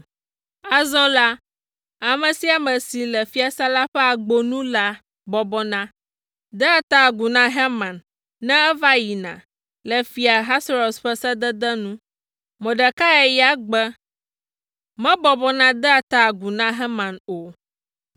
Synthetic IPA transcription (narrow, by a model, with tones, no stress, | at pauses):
a˨zɔ̃˦la˦ | a˨mɛ̃˨si˦a˨mɛ̃˨si˨lɛ˨fi˦a˨sa˦la˦ɸɛ˦a˨ɡ͡bo˨nũ˦la˦ | bɔ˨bɔ˦nã˦ | d̪ɛ˦a˨t̪a˦˨ɡu˨nã˦ɦɛ˦mã˨nː | ɛ̃˦ɛ˦va˦ji˨nã̰˨ | lɛ˨fi˨a˨ɦa˦sɾo˨sɸɛ˦sɛ˦d̪ɛ˦d̪ɛ˦nũ˦ | mɛ̃˨ɖɛ˨ka˦ɛ˦˨ja˦ɡ͡bɛ˦ | mɛ̃˦bɔ˨bɔ˦nã˦d̪ɛ˦a˨t̪a˨ɡu˨nã˦ɦɛ˦mã˨no˨